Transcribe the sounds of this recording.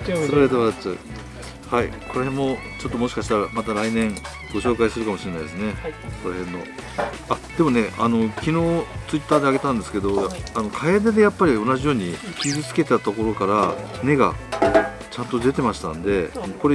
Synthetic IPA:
soɾed̪eβat͡ɕa | haḭko̞ɾehẽ̞mːo̞ | t͡ɕo̞t̪ːo̞mo̞ɕi̥kaɕi̥t̪aɾamat̪aɾainẽ̞ŋ | ɡo̞ɕo̞ːkaisɨɾɯ̟kamo̞ɕiɾe̞naid̪esɨne̞koɾahẽ̞nːo̞̰ | ad̪̥e̞mo̞ne̞ano̞kʲino̞ːt͡sɨit̪ːaːd̪e̞aɡe̞t̪ãnd̪e̞sɨ̥ke̞d̪o̞ano̞kʰaed̪ed̪e̞japːaɾʲio̞naʑijo̞ːɲ̟ikʲizit͡sɨ̥ke̞t̪at̪o̞ko̞ɾo̞kaɾane̞ɡa̰ko | t͡ɕãnt̪o̞d̪e̞t̪e̞maɕi̥t̪ã̰nd̪e̞anoko̞ɾe

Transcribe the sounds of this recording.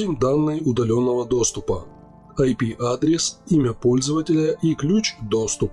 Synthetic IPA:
ɪmʲd̪anːɨjʊd̪ɐlʲo̞nːəvəd̪o̞st̪ʊpə | ɐjpʲiʔad̪ɾʲɪsimʲəpo̞lʲzəvətʲɪlʲəʔiklʲut͡ɕd̪o̞st̪ʊp

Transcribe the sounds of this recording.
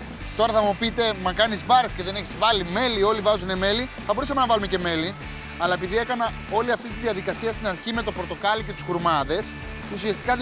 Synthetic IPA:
t̪o̞ɾɐθɐmupit̪e̞mɐkɐnizvɐɾesceðe̞ne̞çizvɐlime̞lio̞livɐzune̞me̞liθɐbo̞ɾusɐme̞nɐvɐlumece̞me̞li | ɐlɐe̞piðie̞kɐnɐ | o̞liɐft̪it̪iðiɐðikɐsiɐst̪inɐɾçime̞t̪o̞pɾot̪o̞kɐlice̞t̪u̥sxuɾmɐðe̞s | usiɐst̪i̥kɐ

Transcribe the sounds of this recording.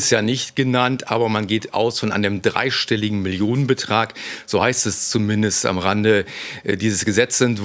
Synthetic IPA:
stjaːnɪçtɡ̥ənantʔa̰ːbɐmanɡeːta̰ʊsfɔnʔa̰ɪnəmdʁa̰ɪʃtɛlɪɡŋ̩mɪljoːnənbətʁ̥aːkz̥oːhaɪstɛst͡sumɪndəsta̰mʁandədiːzəsɡ̥əzɛt͡sɛntv

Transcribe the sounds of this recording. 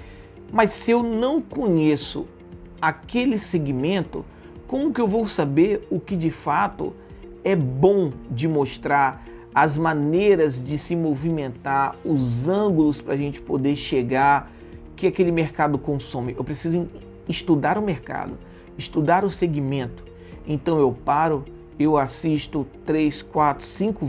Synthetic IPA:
mɐsːɪewnɐ̃w̃kõɲesʊ̰ | akelɪseɡimẽnt̪ʊ̰ | kõmʊkɪewvowsabeɾʊkɪd͡ʒɪfat̪ʊ̰ | ɛbõw̃d͡ʒɪmoʃt̪ɾaɾ | ɐzmɐ̃nejɾɐzd͡ʒɪsɪmovimẽnt̪aɾʊzɐ̃ɡʊlʊspɾɐ̰ːʒẽnt͡ʃɪ̥pod̪eɾʃeɡaɾ | kɪakelɪmeɾkad̪ʊkõsõmɪʔewpɾesizʊẽ | ɪst̪ud̪aɾʊmeɾka̰d̪ʊ | ɪst̪ud̪aɾʊseɡimẽnt̪ʊ̥ | ẽnt̪ɐ̃w̃ewpaɾʊ | ewasist̪ʊt̪ɾeskwat̪ɾʊ̥sĩkʊ

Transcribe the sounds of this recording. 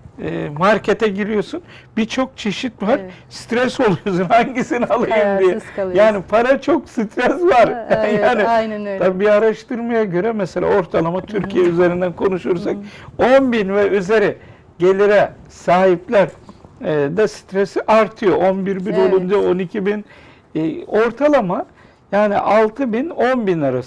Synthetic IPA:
maɾcʰe̞t̪ʰɛɟiɾijo̞sunbit͡ʃʰo̞k̚t͡ʃʰe̞ʃit̪vaɾ̥st̪ɾɛso̞lˠujo̞sunhaɲɟisinialˠajɯmd̪ijɛjaːnipʰaɾat͡ʃʰo̞ksit̪ʰɾɛsvaɾjaːni̥abiaɾaʃt̪ʰɯɾmajaɟø̞ɾɛmɛse̞lʲa̰o̞ɾt̪ʰalˠamat̪ʰyɾcʰijɛyze̞ɾind̪ænkʰo̞nuʃuɾsak̚onbinvɛyze̞ɾɛ | ɟe̞lʲiɾɛ | saːɦiplʲæɾ | d̪ɛsi̥t̪ɾesiʔaɾt̪ʰɯjo̞ʔonbiɾbino̞lˠund͡ʒao̞nicʰibin | o̞ɾt̪ʰalˠama | jaːnḭʔalˠt̪ʰɯbino̞nbinaɾas

